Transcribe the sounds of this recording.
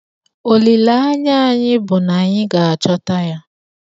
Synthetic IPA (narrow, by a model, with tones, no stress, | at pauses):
o˨li˨la˦a˦ɲa˦a˦˨ɲɪ˦bʊ˨na˨ɲɪ˦ɡa˨a˨t͡ʃɔ˦ta˦ja˦